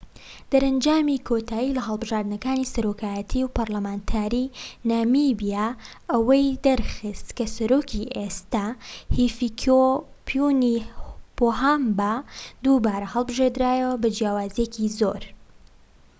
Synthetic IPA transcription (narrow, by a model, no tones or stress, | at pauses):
d̪̥ɐɾɐnd͡ʒaːmikʰot̪ʰaːjilɐɦɐlˠbɨʒaːɾd̪ɨnɐkaːnisɐɾokʰaːjɐt̪ʰiwpɐɾlɐmaːnt̪ʰaːɾinaːmibija | ʔɐwɐjd̪ɐɾxɨst̪kɐsɐɾoːkʰiʔest̪ahifikʰo | pʰunipoɦambad̪ubaːɾɐhɐlˠbɨʒed̪ɾaːjɐwɐbɐd͡ʒjaːwaːzjecʰizo̰ɾ